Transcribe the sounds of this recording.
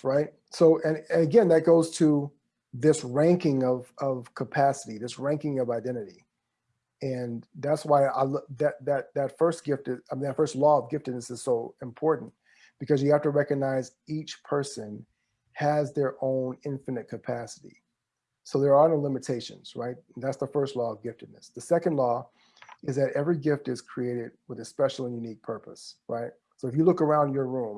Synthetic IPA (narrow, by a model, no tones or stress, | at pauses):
ɹaɪt̚ | soʊʔɨ̃nɨ̃nɨɡɛ̃nðɨt̚ɡ̥oʊz̥tʰə | ðɪsɹæ̃ŋkɪ̃ŋʌv̥ʌv̥kʰəpʰæsəɾiðɪsɹæ̃ŋkɪ̃ŋʌvaɪdɛ̃ɾ̃ɨɾi | ɨ̃nðætswaɪa̰ɪlðɨt̪̚ðɨt̪̚ðɨtfɜ˞stɡ̥ɪftɨmðɨtfɜ˞stˡlɔʌvɡɪftɨdⁿnɨsɨz̥soʊɨ̃mpʰɔɹʔn̩ | b̥ɨkʰʌzjɨhæftɨɹɛkɨɡ̚naɪzit͡ʃpʰɜ˞sɨ̃n | ɨzðə˞ʔõʊ̃nɪ̃ɱfɨnɨt̚kʰɨpʰæsɨɾḭ | soʊðə˞ːnoʊlɪ̃mɨtʰeɪʃɨ̰̃nz̥ɹaɪt̚n̩ðætsðəfɜ˞stˡlɔʌvɡɪftɨdⁿnɨsðɨsɛkɨ̃n̩dˡlɔ | ɨzðɨɾɛvɹiɡɪftɨz̥kʰɹ̥ieɪɾɪd̚wəðɨspɛʃl̩ˠə̃njʉnik̚pʰɜ˞pə̰sɹʔa̰ɪt̚ | soʊɨfjɨlʊkə˞ãʊ̃nd͡ʒjə˞ɹũm